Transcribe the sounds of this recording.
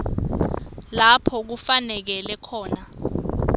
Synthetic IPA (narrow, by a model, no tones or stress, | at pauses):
lapʰɔk̬ufanɛk̬ɛlɛkʰɔːna